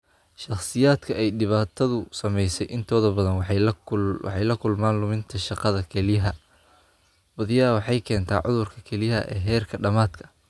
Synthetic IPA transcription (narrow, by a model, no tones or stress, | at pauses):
ʃɑχsɪjaːd̪kʰɐʔɛjɖɪβaːt̪ʰɐðʊsɐmɛjsɛjʔɪnt̪ʰɔːðɐbɐðɐn | wɑ̰ħɑjlɐkʰʊlmaːnlʊmɪnt̪ʰɐʃɑqɑðɐkʰɛlɪjɐɦɐ | bɐðɪjɐwɑħɑjkʰɛːnt̪ʰa̰ːʕʊ̰ðʊrkʰɐkʰɛlɪjɦɐ̰ʔɛ̰ːɦɛːrkʰɐɖɐmaːd̪kʰɐ̥